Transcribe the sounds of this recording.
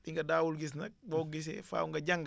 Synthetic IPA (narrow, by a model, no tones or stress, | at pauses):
biŋɡɐdaːwulɡis̬nɐk̚bɔɡis̬ɛ̰fa̰ːuŋɡɐɟɐŋɡ